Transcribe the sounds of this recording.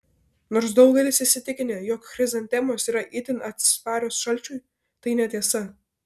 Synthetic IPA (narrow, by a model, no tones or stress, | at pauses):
noːɾsd̪ɐʊɡʲɛlʲɪsʲɪʃsʲɪt̪ʲɪkʲɪnʲeːjoːkxɾʲɪzɐnt̪ʲɛmoːsiːɾɐʔɪt̪ʲɪnɐt̪sspɑːɾʲoːsʃɐlʲˑt͡ʃʲuːj | t̪ɐɪnʲɛt̪ʲiɛsɐ